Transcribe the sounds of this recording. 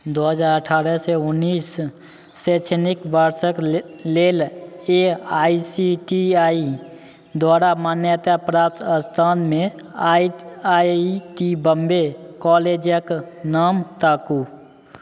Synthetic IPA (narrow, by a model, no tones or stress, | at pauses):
d̪oɦəd͡ʒaːɾəʈʰaːɾəseʊnːiːsː | et͡ʃʰenikbəɾsəkleːleaːisiʈiaːi | d̪waːɾamaːnjət̪apɾaːp̚t̪ʰəst̪ʰaːnmẽ | iaʈibəmbekɔːled͡ʒjəknaːmt̪aːku